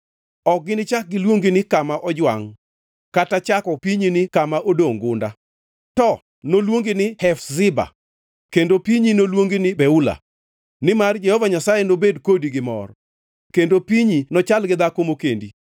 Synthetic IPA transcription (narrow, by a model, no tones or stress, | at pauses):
ɔk̚ɡɪnɪt͡ʃak̚ɡɪlwoŋɡinɪkamaʔɔd͡ʒwaŋ | katat͡ʃakɔpiɲinɪkamaʔodoŋɡʊnda̰ | tɔ | nolwoŋɡɪnɪhɛfzɪba̰ | kendopiɲinolwoŋɡinɪbɛula̰ | nɪmard͡ʒɛhɔvaɲasajenobedkodiɡɪmɔ̰r | kendopiɲinɔt͡ʃalɡɪd̪akomokendi